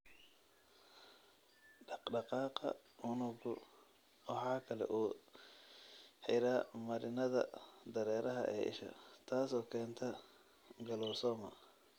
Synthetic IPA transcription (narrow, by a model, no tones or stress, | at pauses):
ɖɑɖɑqɑːqɑ̰ʊnʊɡʊ | wɑħɑːkʰɐlɛ̰ʔuː | ħɪɾaːmɐɾɪnɐðɐ̰d̪ɐɾɛːɾʔɐɦɐ̰ʔɛ̰ːʔɪ̰ʃɐ̰t̪ʰaːsɔːkʰɛːnt̪ʰɐ | ɡɐlɔːsɔːmɐ